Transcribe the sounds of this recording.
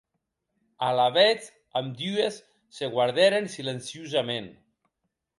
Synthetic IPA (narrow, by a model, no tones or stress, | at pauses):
alaβɛt͡s | amd̪yesː | eɣwaɾðɛɾensilensiuzamen